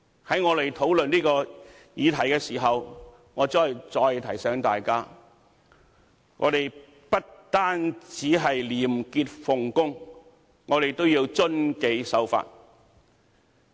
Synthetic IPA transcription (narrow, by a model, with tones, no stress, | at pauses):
hɐ˨˥jŋɔː˨˧le˨jt̪ʰo˨˥wlɵ˨nliː˥kɔː˧ | jiː˨˧t̪ʰɐ˨˩jkɛː˧siː˨˩ɦɐ˨w | ŋɔː˨˧t͡sɔː˥˩jt͡sɔː˧jt̪ʰɐ˨˩jsɛː˨˥ŋt̪aː˨jkaː˥ | ŋɔ̰ː˨˧t̪e˨˩j | pɐ˥t̚t̪aː˥nt͡siː˨˥ɦɐ˨jliː˨˩mkiː˧t̚fʊ˨ŋkʊ˥ŋ | ŋɔː˨˧ɾe˨jt̪o˥wjiː˧wt͡sɵ˥nke˨˧jsɐ˨˥wfa̰ː˧t̚